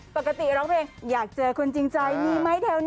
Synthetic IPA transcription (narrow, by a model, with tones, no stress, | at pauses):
po˧˩ka˧˩t̪ḭ˧˩ɾɔ˨˦ŋpʰɛː˧ŋzaː˨˩k̚t͡ɕəː˧kʰu˧nt͡ɕi˧ŋt͡ɕa˧jŋi˧ma˨˦˥jt̪ʰɛː˧wn